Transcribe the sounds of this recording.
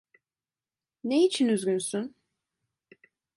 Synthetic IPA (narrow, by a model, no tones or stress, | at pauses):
neit͡ʃʰinyzɡʲynsyn